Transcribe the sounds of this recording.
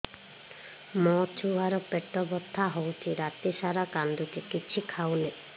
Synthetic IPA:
mɔt͡ʃuɦaɾɔpeʈːɔbɔt̪ʰːaɦowt͡ʃʰiɾat̪iʃaɾakand̪ʱutikit͡ʃʰikʰawne

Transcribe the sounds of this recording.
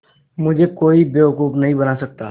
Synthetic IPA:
mʊd͡ʒʱekoːibeːʊkuːpnɐɦĩbɐnasɐk̚t̪a̰ː

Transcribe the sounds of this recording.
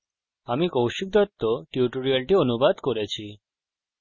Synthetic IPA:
amikowʃik̚d̪ɔt̪ːoʈiuʈoɾialʈionubad̪koɾet͡ɕʰi

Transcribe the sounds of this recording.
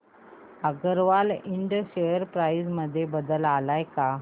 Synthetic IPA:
aɡəɾʋaliɳɖəɕejəɾpɾaisməd̪ʱːjebəd̪əlalajka

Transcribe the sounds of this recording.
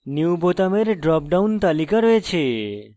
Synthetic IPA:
niwbʱot̪ameɾeɖɾɔp̚ɖawnt̪alikəɾʋet͡ʃʰe

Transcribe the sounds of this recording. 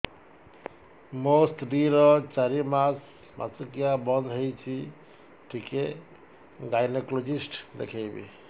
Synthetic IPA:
mosʈɾiɾɔt͡ʃaɾimas | mʔa̰sukijabʌnd̪ʱɦojt͡ʃʰi | ʈʰike | ɡajneklod͡ʒisʈd̪ḛkʰebḭ

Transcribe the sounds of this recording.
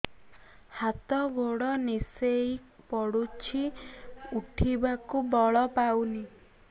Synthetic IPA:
hat̪ɔɡʱoɽɔnisejpɔɽut͡ʃʰi | uʈʰibakubɔɭɔpawni

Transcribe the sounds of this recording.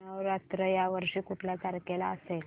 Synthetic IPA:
nəʋɾat̪ɾəjaʋəɾʂiːkuʈʰljat͡saɾkelaəsel

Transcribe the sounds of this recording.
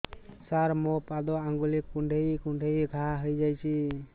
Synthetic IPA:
saɾmɔpad̪ɔaŋɡulikuɳɖʱejkuɳɖʱejɡʱaɦəjd͡ʒajt͡ʃi

